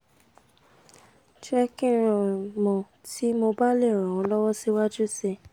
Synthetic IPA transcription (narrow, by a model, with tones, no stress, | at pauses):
t͡ʃɾɛ˦kĩ˦ɾɔ̃˨mɔ̃˨ | ti˨˦mo˧ba˦le˦˨ɾ̃ɔ̃˨ɔ̃˨˧˦lɔ˦wɔ˦si˦wa˦d͡ʒu˦se˧